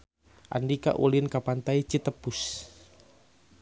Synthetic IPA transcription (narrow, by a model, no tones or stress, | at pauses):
ʔa̰ndika̰ʔulinkapant̪ait͡ʃit̪əpus